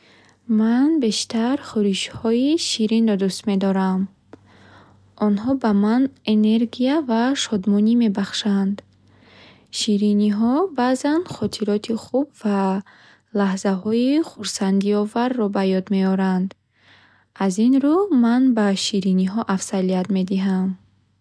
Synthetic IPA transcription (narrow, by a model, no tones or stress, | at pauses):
manbe̞ʃt̪ʰaɾχuɾiʃhɔiʃiɾinɾɔd̪ust̪me̞d̪ɔɾam | ɔnɦɔbamanene̞ɾɡiavaʃɔd̪mɔnime̞baχʃand̪ | ʃiɾiniɦɔbaːzanχɔt̪ʰiɾɔt̪ʰiχubva | lahzaɦɔiχuɾsand̪iɔvaɾːɔbajɔd̪me̞ɔɾand̪ | azinɾumanbaʃiɾiniɦɔʔafsaliat̪me̞d̪iɦam